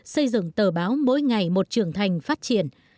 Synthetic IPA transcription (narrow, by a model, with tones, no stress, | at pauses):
sə˧jzɨ̰˧˨ŋt̪əː˨˩ɓaː˨˦wmo̰˧˥jŋa˨˩jmo˨˩t̚t͡ɕɨ˨˩əŋt̪ʰa˨˩jŋ̟faː˦˥t̚t͡ɕi˧˨ən